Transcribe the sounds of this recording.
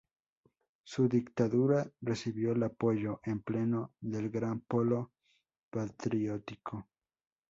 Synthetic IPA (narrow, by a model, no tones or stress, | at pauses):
suðikt̪aðuɾaresiβjoelapojoʔemplenoðelɡɾampolo | pat̪ɾjot̪ikʰo